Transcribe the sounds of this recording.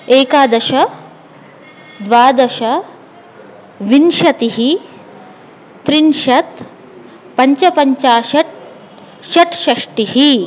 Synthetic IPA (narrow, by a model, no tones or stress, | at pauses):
eːkaːd̪ɐʃɐ | d̪ʋaːd̪ɐʃɐ | ʋinʃɐt̪iɦi | t̪ɾinʃɐt̪ | pɐɲt͡ʃɐpɐɲt͡ʃaːʃɐʈ | ʃɐʈʃɐʂʈihi